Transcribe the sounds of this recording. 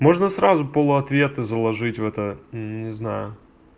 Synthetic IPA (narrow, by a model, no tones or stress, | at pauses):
mo̞ʐnəsɾazʊpolˠʊɐt̪vʲe̞t̪ɨzəlˠɐʐɨtʲvɛt̪ən̩nʲɪznajʊ